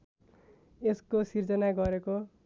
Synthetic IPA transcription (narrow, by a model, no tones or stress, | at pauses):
eskosird͡zʌnaɡʌɾeko